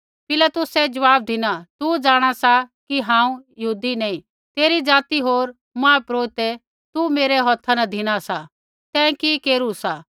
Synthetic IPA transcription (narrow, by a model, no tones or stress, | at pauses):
pɪlat̪ʊsɛd͡ʒɐʋaːb̚d̪ʱɪñat̪ud͡ʒaːɽ̃asakiɦãːũjɐɦuːd̪inɐĩ | t̪eːɾid͡zaːt̪iɦoːɾ | mãːpɾoːt̪ɛ | t̪umeːɾɛɦɔt̪ʰːanɐd̪ʱɪɽ̃asa | t̪ɛ̃ːkikeːɾusa